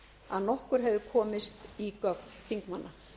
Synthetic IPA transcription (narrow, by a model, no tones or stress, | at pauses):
a̰ðnɔhkʏɾ̥ɦɛvðʏkʰɔːmɪst̪ikœknθiŋkmanːa